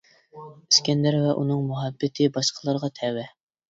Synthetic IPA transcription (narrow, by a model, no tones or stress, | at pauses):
iskʲɛnd̪æɾvɛʔunɨŋmuɦɛbːɪt̪ʰɪbɑʃqʰəlˠɑɾʁɑt̪ʰɛwɛ